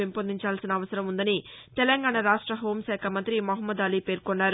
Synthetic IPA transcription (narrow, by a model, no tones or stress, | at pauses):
impond̪ʱiɲt͡ʃaːlsinɐːʋɐsɐɾɐmund̪ɐnit̪ɛlɐŋɡaːɳɐɾaːʂʈɾɐɦo̞ːmʃɛːkʰamɐnt̪ɾimoɦɐmːɐd̪aːliːpe̞ːɾkonːaːɾu